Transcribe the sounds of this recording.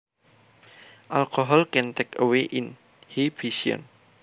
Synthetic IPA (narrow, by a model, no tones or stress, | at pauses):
ʔalkɔɦɔlkɛnt̪ekəweʔɪn | hibisiɔ̰n